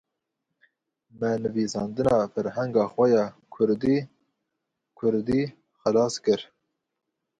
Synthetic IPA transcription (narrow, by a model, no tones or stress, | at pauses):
mɛnɨviːsɑːnd̪ɨnɑːfɛɾhɛŋɡɑːxʷɛjɑːkʰʊɾd̪i | kʰʊɾd̪iː | xɛlɑːskɨɾ